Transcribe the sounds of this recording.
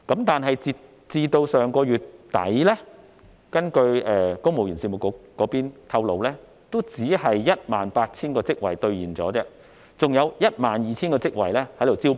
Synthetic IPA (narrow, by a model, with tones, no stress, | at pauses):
kɐ˨˥mt̪aː˨nɦɐ˨jt͡si˧ | t͡siː˧t̪o˧wsœː˨ŋkɔː˧jyː˨˩tt̪ɐ̰˨˥jlɛ˥ | kɐ˥nkɵ˧ɥɛː˨˧kʊ˥ŋmo˨wjyː˨˩nsiː˧˩mu˨˩kʊ˨˧kkːɔː˨˥piː˥nt̪ʰɐ˧wlo˨˧wlɛː˥ | t̪o˥wt͡siː˨˥hɐ˨jːɐ˥t̚maː˨npaː˧t̚t͡sʰiː˥nkɔː˧t͡sɪ˥k̚wɐ˨jt̪ɵ˧ɥjiː˨˩nt͡sɔ̰ː˨˥t͡sɛː˥ | t͡sʊ˨ŋjɐ˨˧wjɐ˥t̚maː˨njiː˨t͡sʰiː˥nkɔː˧t͡sɪ˥k̚wɐ̰˨˩jlɛː˥hɐ˨˥jt̪o˨˩wt͡siː˥w